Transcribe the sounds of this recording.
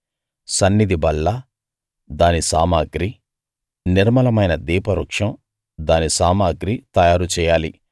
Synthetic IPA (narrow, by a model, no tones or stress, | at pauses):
sɐnːid̪ibɐlːɐ | d̪aːnisaːmaːɡɾi | niɾmɐlɐmɐjnɐd̪iːpɐɾukʂɐm | d̪aːnisaːmaːɡɾit̪ɐjaːɾut͡ʃɛːjaːli